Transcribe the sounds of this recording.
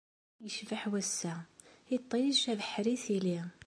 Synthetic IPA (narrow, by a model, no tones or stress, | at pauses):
jəʃvəħwæsːæit̪ˤːijʃævəħɾiθili